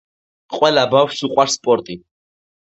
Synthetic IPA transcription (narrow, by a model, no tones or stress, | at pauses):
qʼwɛlabafʃsuqʼwaɾspʼɔɾt̪ʼi